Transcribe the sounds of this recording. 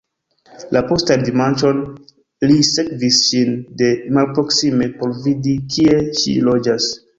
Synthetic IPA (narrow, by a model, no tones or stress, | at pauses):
lʔapo̞standimant͡ʃo̞n | lisekvisʃinde̞malpɾo̞ksime̞po̞ɾvidikʰie̞ʃḭlod͡ʒas